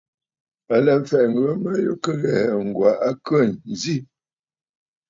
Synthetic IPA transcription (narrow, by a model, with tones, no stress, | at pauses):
a˨lə˨m̩˨fɛ˨ŋ̩˨ɡɰə˦mə˦jṵ˦kə˦ɣɛ˨ŋ̩˨ɡwa˨ʔa˦kə˦˨nn˨zi˦